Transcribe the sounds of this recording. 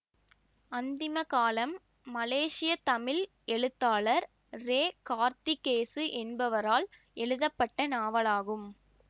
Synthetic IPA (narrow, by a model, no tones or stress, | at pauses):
ɐnd̪ɪmɐkaːlɐmː | ɐleːʂɪjɐt̪ɐmɪl | ɛɭɯt̪ːaːɭɐɾ | ɾeːkaːɾt̪ɪkeːsɯʔɛnbɐʋɐɾaːl | ʔɛɭɯðɐpːɐʈːɐnaːʋɐlaːɣɯm